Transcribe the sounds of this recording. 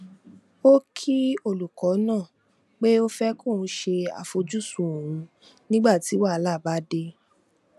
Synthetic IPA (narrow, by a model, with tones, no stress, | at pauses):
o˦kʰi˦o˦˨lu˨kɔ˨˦nãː˦˨ | k͡pe˦o˦fɛ˦kõ˦˨˧ʃe˧a̰˨fo˧d͡ʒu˦sũ˧˦o˨ũ˧ | nĩ˦ɡ͡ba˦˨ti˨˦wa˦˨˦la˦˨ba˦de˧